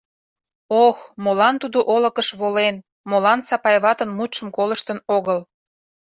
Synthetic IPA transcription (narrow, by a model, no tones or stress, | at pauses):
oxmolɑnt̪ud̪oʔolə̆kəʃβolen | molɑnsɑpɑjβɑt̪ənmut̪ʃəmkoləʃt̪ənoɣəl